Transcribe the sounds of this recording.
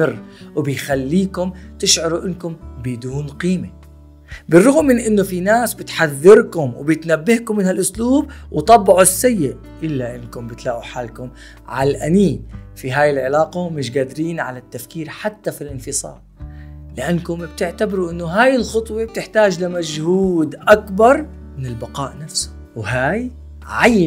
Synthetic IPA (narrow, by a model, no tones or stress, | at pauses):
ɪrːwbɪjxalːiːkʊmt̪ɪʃʕʊɾuʔɪnːkʊmbɪd̪uːnqiːme | bɪrˤːʊɣmːɪnʔɪnːʊfinaːsbɪt̪ħaðːɪɾkʊmwbjɪt̪nabːɪhkʊmːɪnhalʔʊsluːb̚wt̪ˤɑbːɑʕusːajːɪʔ | ʔɪlːaʔɪnkʊmbɪt̪laːʔuħaːlkʊm | ʕa̰lʔa̰niːfiɦaːjɪlʕɪlaːqamɪʃɡaːd̪ɪɾiːnʕa̰lat̪ːafkiːɾħat̪ːafilʔɪnfɨsˤɑ̰ːɾˤlɪʔanːkʊmb̥̚t̪ɪʕt̪abɪɾuʔɪnːʊɦaːjɪlxʊt̪ˤweb̚t̪ɪħt̪aːd͡ʒlɪmad͡ʒhuːd̪ʔakbɑɾˤ | mɪnɪlbɑqɑ̰ːʔnafsʊ̥ | wɦaːj | ʕaj